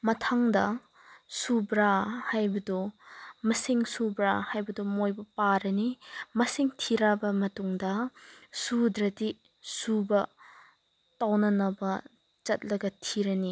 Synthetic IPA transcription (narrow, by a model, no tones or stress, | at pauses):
mɐtʰaŋdɐ | subɾahajbɐdumɐsiŋsubɾahajbɐdumojbɐpaɾɐnimɐsiŋtʰiɾabɐmɐtuŋdɐsudɾɐdi | subɐ | tawnɐnɐbɐ | t͡ʃɐt̚lɐɡɐtʰiɾɐni